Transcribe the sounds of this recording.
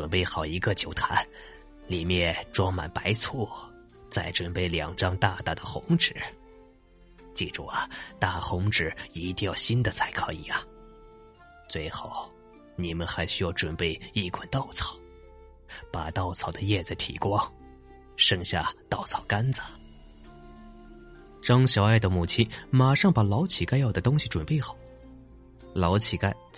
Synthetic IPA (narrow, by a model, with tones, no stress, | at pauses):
ʈ͡ʂwə˨˩npe˥˩ɪxɑ˨˩ʊi˧˥ɡə˧t͡ɕjo˨˩ʊt̪ʰa̰˧˥n | li˨˩mjɛ˥˩nʈ͡ʂwɑ˥ŋma̰˨˩npa˧˥ɪt͡sʰɔ˥˩ | t͡sa˥˩ɪʈ͡ʂwə˨˩npe˥˩ɪljɑ˨˩ŋʈ͡ʂɑ˥ŋt̪a˥˧t̪a˥˩d̪ə˩xʊ̰˧˥ŋʈ͡ʂɻ̩˨˩˦ | t͡ɕi˥˩ʈ͡ʂṵ˥˩ɐ˩t̪a˥˩xʊ˧˥ŋʈ͡ʂɻ̩˨˩i˧˥t̪i˥˧jɑ˥˨˩ʊɕi˥nd̪ə˨t͡sʰa˧˥ɪkʰɤ̰˧˥i˨˩ɐ˦ | t͡swe˥˧ɪxo˥˩ʊ | ni˨˩mə˦nxa˧˥ɪɕy˥jɑ˥˩ʊʈ͡ʂwə˨˩npe˥˧ɪi˥˩kʰa˨˩nt̪ɑ˥˩ʊt͡sʰɑ̥˨˩˦ʊ | pa˨˩t̪ɑ˥˩ʊt͡sʰɑ˨˩ʊd̪ə˦jɛ˥˧t͡sa˥˩ɪt̪ʰḭ˨˩kwɑ˥ŋ | ʂɤ˥˧ŋɕja̰˥˧t̪ɑ˥˩ʊt͡sʰɑ˨˩ʊka˥nt͡sə̥˨ | ʈ͡ʂɑ˥ŋɕjɑ˨˧˩ʊa˥˩ɪd̪ə˩mu˨˩t͡ɕʰi˥ma˨˩ʂɑ˥˩ŋpa˨˩lɑ˧˥ʊt͡ɕʰi˨˩ka˥ɪjɑ˥˩ʊd̪ə˩t̪ʊ˥ŋɕi˨˩ʈ͡ʂwə˨˩npe˥˩ɪxɑ˨˩˦ʊ | lɑ˧˥ʊt͡ɕʰi˨˩ka˥ɪ